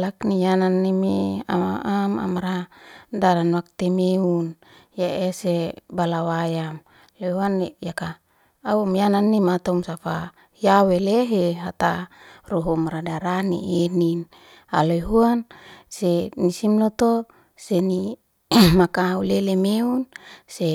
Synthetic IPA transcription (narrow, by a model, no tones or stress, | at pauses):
laknijananːimḛa̰maʔama̰maɾadaɾanwak̚t̪emeun | jaʔesebalawajam | loɦuanejakaː | umjananːimat̪omsafa | jaweleɦeɦat̪aroɦomɾadaɾanḭʔenin | aloɦuansenisimlot̪o | seni | makaulelemeunse